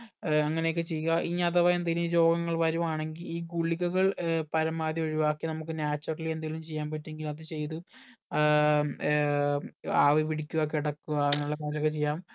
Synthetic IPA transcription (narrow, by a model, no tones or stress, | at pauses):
ɐŋːɐneokːɨt͡ɕe̞jːuɣɐʔiɲːaɐðɐʋɐjend̪ɐilid͡ʑo̞ːɡɐŋːɐɭʋɐɾumaːɳe̞ŋɡiliːɡuɭːiɣɐɣɐɭpɐɾɐmaːðio̞ɻiʋaːkːinɐmuk̬ːɨnjaːt͡ɕːɐrile̞nd̪aːilumt͡ɕe̞jːaːmpɐtːeŋɡilɐðɨt͡ɕe̞jt̪̬u | aːʋiʋiɽikʲːuɣɐkːiɽɐkːuɐnuɭːɐkaːɾilokːet͡ɕe̞jːaːm